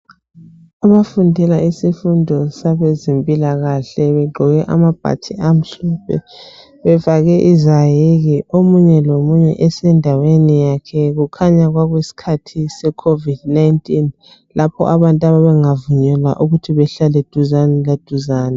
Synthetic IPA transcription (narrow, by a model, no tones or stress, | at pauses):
aβafundʱɛlaisifundʱɔsaβezempʼilaɣaɬɛβɛɡ͡ǃʱɔɣɛʔa̰mab̥ʱa̰tʰiʔam̩ɬɔpʰɛ̰ | βɛfaɣɛʔizajiɣiomuɲɛlomuɲɛ̰ʔɛsɛndʱawenijakʰɛɣukʰaɲaɣwaɣwesi̥kʰatʰisɛkʰovid̥najntʼin | lapʰɔ̰ʔaβantʼaβaβɛŋavuɲɛla̰ʔuɣutʰiβɛɬalɛd̥ʱuzanɛlad̥ʱuzaːnɛ